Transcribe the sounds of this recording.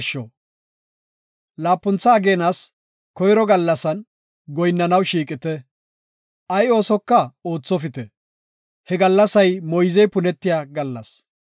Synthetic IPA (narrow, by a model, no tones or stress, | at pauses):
ʃːɔ̰ | laːpːʊnt͡sːɐːɡe̞ːnaːs | kɔjɾɔɡɐlːɐsɐn | ɡɔjnːɐnɐwʃiːkʼɪt̪ɛ | ʔɐjo̞ːsɔkːɐo̞ːt͡sːɔfɪt̪ɛ | hɛɡɐlːɐsɐjmɔjzɛjpʊnɛt̪ːɪjaːɡɐlːɐ̰s